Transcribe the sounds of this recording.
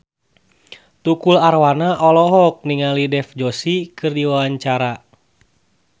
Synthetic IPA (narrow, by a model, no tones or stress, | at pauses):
t̪ukularwanaʔɔlɔɦɔk̚niŋalidɛfd͡ʒosikɨrdiwawaɲt͡ʃaɾa